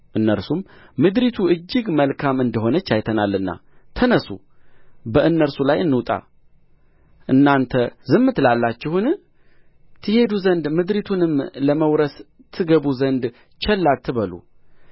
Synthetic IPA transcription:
ʔɨnːəɾsummɨd̪ɾit̪ʰuʔɨd͡ʒːɪɡməlkʰamɨnd̪əɦo̞nət͡ʃːajt̪ʰənalːɨnːa̰t̪ʰənəsṵ | bəʔɨnːəɾsulajɨnːɨt̪ʼa̰ | ʔɨnːant̪ʰəzɨmːɨt̪lalːat͡ʃːɪhunɨ | t̪ʰɨhe̞d̪uzənd̪mɨd̪ɾit̪ʰunɨmləməwɾəs | t̪ʰːɨɡəβuzənd̪ | t͡ʃʰɛlːalt̪ʰːɨβəlṵ

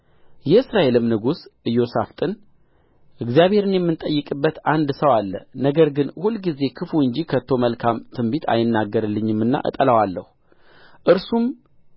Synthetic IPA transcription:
jɛɨsɾae̞lɨmnɨɡusʔɨjːo̞saft̪ʼɨn | ʔɨɡzijaβhe̞ɾɨnjɛmːɨnt̪ʼəjːɨkʼɨbːət̪and̪səwalːə̰nəɡəɾɡɨnhulːɡize̞kʰɨfuɨɲd͡ʒikʰət̪ʰːo̞məlkʰamt̪ʰɨmbit̪ʰa̰jɪnːaɡːəɾɨlːɨɲːɪmːɨnːa̰ʔɨ̰t̪ʼələwalːəhu | ʔɨɾsum

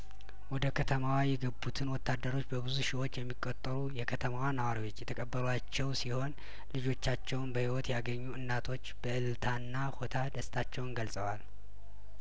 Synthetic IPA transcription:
wɔd̪əkʰət̪ʰəmawajɛɡəbːut̪ʰɨnwɔt̪ːad̪ːəɾo̞t͡ʃːbəbɨzuʃɪwo̞t͡ʃːjɛmːikʼːot̪ʼːəɾujɛkʰət̪ʰəmawanəwaɾiwo̞t͡ʃːjɛt̪ʰəkʼəbːəlat͡ʃːɛwsiho̞n | lɨd͡ʒo̞t͡ʃːat͡ʃːɛwnbəhiwɔt̪jaɡəɲːuɨnːat̪ʰo̞t͡ʃːb̥əʔɨlt̪ʰanːahot̪ʰad̪əst̪ʰat͡ʃːɛwʊnɡəlsʼəwal

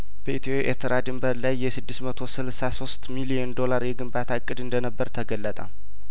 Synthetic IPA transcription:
b̥əʔit̪ʰopeʔeɾt̪ʰəɾad̪ɨmbəɾlajːɛsɨd̪ːɨsmət̪ʰo̞sɨlsaso̞st̪milijɛnd̪o̞laɾjɛɡɨmbat̪ʰakʼːɨd̪ɨnd̪ənəbːəɾt̪ʰəɡəlːət̪ʼa̰

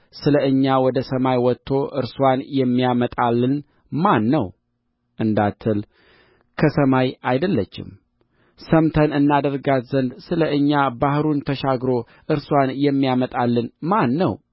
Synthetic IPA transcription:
sɨləɨɲːawɔd̪əsəmajwɔt̪ʰːo̞ʔɨ̰ɾswanjɛmːijamət̪ʼalːɨn | manːəw | ʔɨnd̪at̪ʰːɨl | kʰəsəmajajd̪əlːət͡ʃːɪ̰m | səmt̪ʰənɨnːad̪əɾɡat̪zənd̪sɨləʔɨɲːabahɾunt̪ʰəʃaɡɾo̞ | ʔɨɾswanjɛmːijamət̪ʼalːɨnmanːə̰w

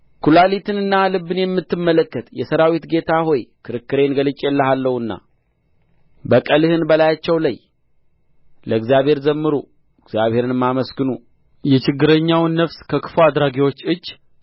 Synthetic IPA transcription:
kʰulalit̪ʰɨnɨnːalɨbːɨnjɛmːɨt̪ːɨmːələkːət̪jɛsəɾawit̪ɡe̞t̪ʰaho̞jkʰɨɾɨkːɨɾe̞nɡəlɨt͡ʃʼːjɛlːəɦalːəhɨnːa̰ | bəkʼəlɨhɨnbəlajat͡ʃːɛwlaj | ləɨɡzjaβhe̞ɾzəmːɨɾu | ɨɡzjaβhe̞ɾɨnɨmːaməsɡɨnu | jɛt͡ʃɪɡːɨɾəɲːawnːəfskʰəkʰɨ̥fuad̪ɾaɡiwo̞t͡ʃːɨd͡ʒː

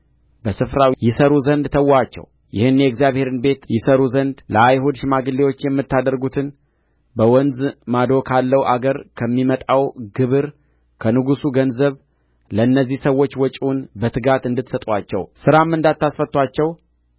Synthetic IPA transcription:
bəsɨfɾajɪsəɾuzənd̪t̪ʰəwːat͡ʃːɛ̰w | jɪhɨnːjɛɡzjaβhe̞ɾɨnbe̞t̪jɪsəɾuzənd̪ləajɦud̪ʃɪmaɡɨlːewo̞t͡ʃːjɛmːɨt̪ːad̪əɾɡut̪ʰɨn | bəwɔnzmad̪o̞kʰalːəwʔaɡəɾkʰəmːimət̪ʼawɡɨβɨɾ | kʰənɨɡusuɡənzəβ | ləɨnːəzːihsəwːo̞t͡ʃːwɔt͡ʃʼunbət̪ʰɨɡat̪ɨnd̪ɨt̪sət̪ʼwat͡ʃːɛ̰wsɨɾamːɨnd̪at̪ːasfət̪ːʷat͡ʃːɛw

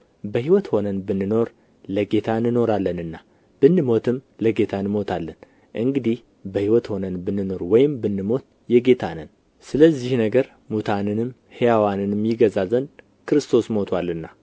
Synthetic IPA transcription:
bəhiwɔt̪ho̞nənbɨnːɨno̞ɾ | ləɡe̞t̪ʰanɨno̞ɾalːənɨnːa | b̥ɨnːɨmo̞t̪ʰɨmləɡe̞t̪ʰanmo̞t̪ʰalːən | ʔɨŋɡɨd̪ih | bəhiwɔt̪ho̞nənbɨnːɨno̞ɾwɔjɪmbɨnːɨmo̞t̪̚ | jɛɡe̞t̪ʰanən | sɨləzːihnəɡəɾ | mut̪ʰanɨnɨm | hejawanɨnmjɪɡəzazən | kɨɾɨst̪ʰo̞smo̞t̪ʰwalːɨnːa

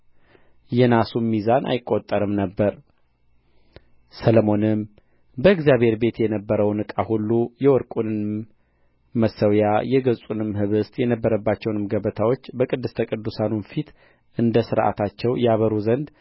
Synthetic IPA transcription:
jɛnasumːizanʔa̰jɪkʼːo̞t̪ʼːəɾɨmnəbːəɾ | sələmo̞nɨm | bəɨɡzijaβhe̞ɾbe̞t̪jɛnəbːəɾəwnɨkʼahulːujɛwɔɾkʼunɨn | məsːəwjajɛɡəsʼunɨmhɨβɨst̪ʼjɛnəbːəɾəbːat͡ʃːɛwnɨmɡəβət̪ʰawo̞t͡ʃːbəkʼɨd̪ːɨst̪ʰəkʼɨd̪ːusanunfit̪ | ʔɨnd̪əsɨɾʔa̰t̪ʰat͡ʃːɛwjaβəɾuzənd̪

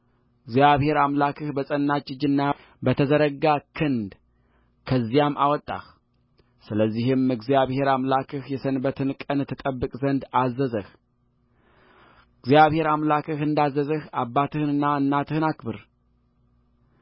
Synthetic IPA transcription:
ɨɡzijaβhe̞ɾamlakʰɨhbəsʼənːat͡ʃːɪd͡ʒɨnːa | bət̪ʰəzəɾəɡakʰɨnd̪ | kʰəzːijamʔa̰wɔt̪ʼːa̰x | sɨləzːihɨmɨɡzijaβhe̞ɾamlakʰɨhjɛsənbət̪ʰɨnkʼənt̪ʰːɨt̪ʼəbːɨkʼzənd̪azːəzəh | ɨɡzjaβhe̞ɾamlakʰɨhɨnd̪azːəzəhabːat̪ʰɨhɨnɨnːaɨnːat̪ʰɨhɨnakbɨɾ

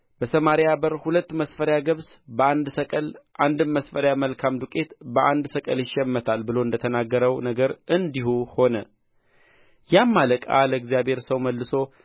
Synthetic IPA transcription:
bəsəmaɾjjabəɾhulət̪ːməsfəɾjaɡəβs | bəand̪səkʼəlʔand̪ɨmːəsfəɾjaməlkʰamd̪ukʼe̞t̪bəʔand̪səkʼə̰ljɪʃːɛmːət̪ʰalbɨlo̞ɨnd̪ət̪ʰənaɡːəɾəwnəɡəɾʔɨnd̪ihuho̞nə | jamːaləkʼa̰ləɨɡzijabhe̞ɾsəwməlːɨso̞

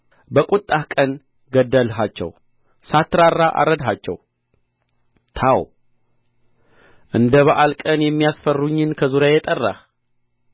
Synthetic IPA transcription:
bəkʼut̪ʼːahkʼən | ɡəd̪ːəlɦat͡ʃːɛ̰w | sat̪ɾarːaʔa̰ɾəd̪ɦat͡ʃːɛ̰w | t̪ʰaw | ʔɨnd̪əβəʔalkʼənjɛmːijasfərːuɲːɨnkʰəzuɾjajɛt̪ʼərːa̰h

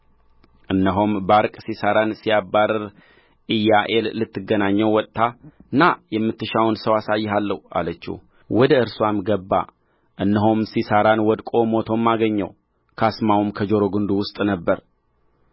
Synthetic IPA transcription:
ʔɨnːəɦombaɾkʼsisaɾansijabaɾɾ | ʔɨjːaʔe̞lːɨt̪ʰːɨɡːənaɲːəwwɔt̪ʼːaɨnːajɛmːɨt̪ːɨʃawnsəwasajːɦalːəhuʔa̰lət͡ʃːṵ | wɔd̪əɨɾswamɡəbːa̰ | ʔɨnːəɦomsisaɾanwɔd̪kʼo̞mo̞t̪ʰo̞mːaɡəɲːəw | kʰasmawumkʰəd͡ʒo̞ɾoɡɨnd̪uwʊst̪ʼnəbːəɾ

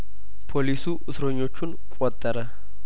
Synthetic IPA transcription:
pʰolisuʔʊsɾoɲːo̞t͡ʃːunkʷʼɔt̪ʼːɐɾɐ

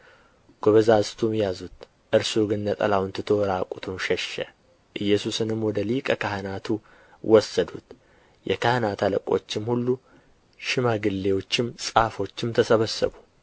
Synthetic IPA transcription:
ɡ̥oβəzazt̪ʰumjazut̪ | ʔɨɾsuɡɨnːət̪ʼɐ̰lawnt̪ʰɨt̪ʰoɾakʼut̪ʰumʃɛʃːɛ̰ | ʔɨjːɛsusɨnɨmwɔd̪əlikʼəkahɨnat̪ʰu | wʔɔsːəd̪ut̪ | jʔɛ̰kʰahnat̪ʰaləkʼo̞̰t͡ʃːɪmhulːu | ʃɪmaɡɨlːewo̞t͡ʃːɪmsʼahfo̞t͡ʃːɪmt̪ʰəsəβəsːə̰bu

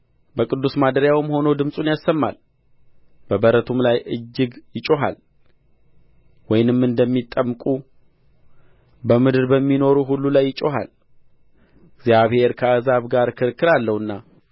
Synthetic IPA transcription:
bəkʼɨd̪ːusmad̪əɾjawɨmho̞nod̪ɨmsʼunjasːəmːa̰l | b̥əbəɾət̪ʰumlajɨd͡ʒːɪɡjɪt͡ʃʼo̞ɦa̰l | wɔjnɨmɨnd̪əmːit̪ʼːəmkʼu | bəmɨd̪ɨɾbəmːino̞ɾuɦulːulajːɪt͡ʃʼo̞ɦa̰l | ɡzjaβhe̞ɾkʰəazaβɡaɾkʰɨɾkʰːɨɾalːəwɨnːa

